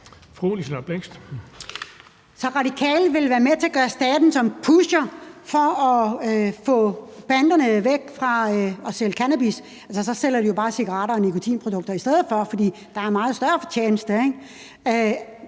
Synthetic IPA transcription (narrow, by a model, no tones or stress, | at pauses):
fʁoːlisnɐb̥leŋ̰sd̥ | sɒ̽ʁɑ̈d̥ikʰɛ̰ːlʋe̝lʋæːɐmet͡sʰe̝ɐɡ̥ɶːɐsd̥ɛːd̥n̩sɒ̽mpʰuɕɐfɒ̽ɒfɔ̰̽ːb̥ænd̥ɐnəʋeɡ̥fʁɑ̈ɒ̽seləkʰænæb̥is | ælsəsɒ̽sel̰ɐd̥ijo̝b̥ɑ̈ːsiɡ̥ɐʁɑ̰̈ːɾɐɒnikʰo̝t͡sʰḭːnpʰʁo̝d̥ɔ̽ɡ̥̚d̥ɐisd̥eð̩ˠfɒ̽fɒd̥ḭː | d̥ɑ̈æɐmɑ̈ːð̩ˠsd̥ɶɐfɒ̽t͡ɕʰjeːnəsd̥əeɡ | ø